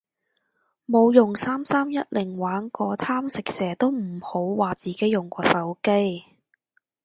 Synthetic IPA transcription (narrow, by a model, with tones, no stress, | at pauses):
mo˨˧wjʊ˨˩ŋsaː˥msaː˥mjɐ˥t̚lɪ˨˩ŋwaː˨˥nkɔː˨˧t̪ʰaː˥msɪ˨k̚sɛː˨˩t̪o˥wm̩˨˩ho˨˥wːaː˨t͡siː˨ke˨˥jʊ˨˩ŋkʷɔː˧sɐ˨˥wke˥j